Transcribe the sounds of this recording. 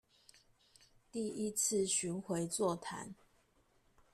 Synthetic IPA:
t̪i˥˨i˦t͡s̩ʰ˥˨ɕy˨˥nxwe˧˥ɪt͡swɔ˥˨t̪ʰa̰˨˧˦n

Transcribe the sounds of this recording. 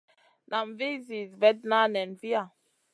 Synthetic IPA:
nʔa˨mve˦zi˨zvɛ˦tna˦nɛ˨nvi˦a˨

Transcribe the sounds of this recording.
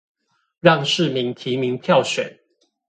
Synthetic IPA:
ɻɑ˥˨ŋʂɻ̩˥˨mi˨˦ŋt̪ʰi˨˦mi˨˦ŋpʰjɑ˥˨ʊɕɥɛ̰˨˩˦n

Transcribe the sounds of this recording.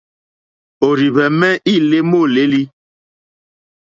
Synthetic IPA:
o˨ɾi˨βɛ˨mɛ˦ʔi˦˨le˦mo˦˨le˦li˦

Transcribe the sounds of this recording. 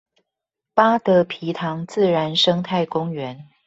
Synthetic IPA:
pa˥t̪ə˧˥pʰi˧˥t̪ʰɑ˧˦ŋt͡sɹ̩˥˩ɻa˧˥nʂɤ˥ŋt̪ʰa˥˩ɪkʊ˥ŋɥɛ˧˦n

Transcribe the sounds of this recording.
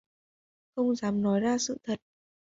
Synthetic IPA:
xə˧wŋ͡mzaː˨˦mnɔ˨˦jzaː˧sɨ̰˧˨t̪ʰə˨˩t̚

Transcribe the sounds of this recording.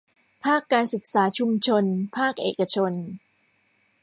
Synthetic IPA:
pʰaː˥˩kːaː˧nsɯ˨˩k̚saː˩˦t͡ɕʰu˧mt͡ɕʰo˧npʰaː˥˩k̚ʔeː˨˩ka˧t͡ɕʰo˧n

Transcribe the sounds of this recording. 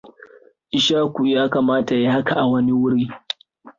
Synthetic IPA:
ʔɪ˨ʃaː˦kʷu˨jaː˦ka˨maː˦ta˨ji˦ha˦ka˨ʔa˨wɐ˦ni˦wʊ˦ɽiː˦

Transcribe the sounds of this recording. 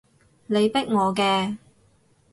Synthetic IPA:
ne˨˧jpɪ˥k̚ŋɔː˨˧kɛː˧

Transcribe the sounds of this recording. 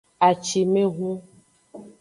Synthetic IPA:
a˨t͡ʃi˨mẽ˦ɦũ˦

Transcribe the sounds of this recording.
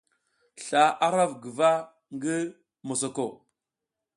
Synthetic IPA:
ɬa˨ʔa˦ɾa˦vɡə˨va˦ | ŋɡə˦ | mo˨s̬o˨ko˨

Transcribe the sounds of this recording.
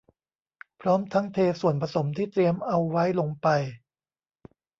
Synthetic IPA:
pʰɾɔː˦˥mt̪ʰa˦˥ŋt̪ʰeː˧su˨˩ənpʰa˧so˩˦mt̪ʰiː˥˩t̪ɾi˧əmʔa˧wːa˦˥jlo˧ŋpa˧j

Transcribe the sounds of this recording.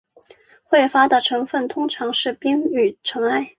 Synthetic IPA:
xwe˥˩ɪfa˥d̪ə˨ʈ͡ʂʰɤ˧˥ŋfə˥˩nt̪ʰʊ˥ŋʈ͡ʂʰɑ˧˥ŋʂɻ̩˥˩pi˥ŋy˨˩ʈ͡ʂʰɤ˧˥ŋa˥˩ɪ

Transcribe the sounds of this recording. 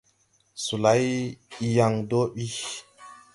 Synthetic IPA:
su˨la˨˦jja˨ŋdo˦ɓi˦

